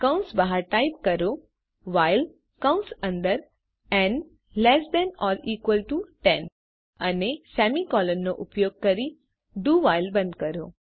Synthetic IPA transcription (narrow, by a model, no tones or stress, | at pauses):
kãʊ̃nsbaɦaɾʈaip̚kɐɾo | ʋaɪl | kãʊ̃nsɐ̃nd̪əɾ | ɛ̃n | lɛsd̪ɛnɔːliːkʋəlʈuʈɛ̃n | ɐnesɛmikɔːlənːoʔʊpjoːɡ̚kɐɾi | ɖuːʋaɪlbɐ̃nd̪̚kɐɾo